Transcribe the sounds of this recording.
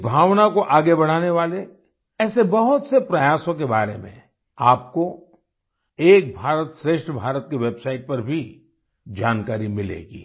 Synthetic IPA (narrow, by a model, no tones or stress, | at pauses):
bʱaːʋnakoʔaːɡebɐɽ̤aːneʋaːle | ɛːsebɐɦʊt̪sepɾɐjaːsõk̬ebaːɾemḛ̃ | aːp̚ko | eːk̚bʱaːɾət̪ʃɾeːʃʈʰəbʱaːɾət̪keʋeːbsaːɪʈ̚pɐɾbʱi | d͡ʒaːnkaːɾimɪlḛːɡḭː